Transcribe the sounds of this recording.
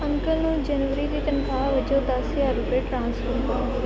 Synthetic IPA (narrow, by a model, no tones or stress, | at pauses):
ɐ̃ŋkəlnũd͡ʑɐnʋəɾiɾit̪ənɪ̆kʰãːʋɐd͡ʑod̪asijaɾʊpeʈɾãːnsfəɾkɐ